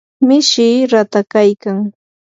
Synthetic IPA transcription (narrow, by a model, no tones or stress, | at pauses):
mɪʃiːɾat̪akajkaŋ